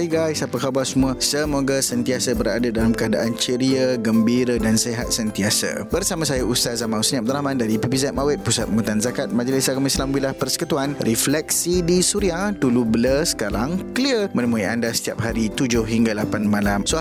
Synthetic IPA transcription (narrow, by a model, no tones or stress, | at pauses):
ɡajsapəkabasumũasəmoɡasənt̪iasabəɾadadalamkəada̰ʔant͡ʃəɾiaɡəmbiɾadanseɦat̪̚sənt̪iasa̰bərsamãsajaʔust̪azamãwsənĩap̚d̪əɾamãndaɾipipizɛt̚mawɪt̪̚pusat̪̚mmũt̪anzakat̪̚mãd͡ʒəlɪsaɡamislamwilahpərsə̥kut̪uanrʔiflɛk̚sidisuɾiahdulubələsə̥kaɾaŋklirmə̃nəmũia̰ndasə̥t̪iap̚ɦaɾit̪ud͡ʒʊhɦiŋɡalapanmãlamso